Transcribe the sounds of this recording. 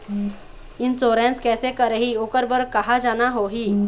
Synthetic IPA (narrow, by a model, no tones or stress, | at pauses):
ɪnsoːɾẽnskɛːsekəɾəɦioːkəɾbəɾkɐɦad͡ʒaːnaɦoɦiː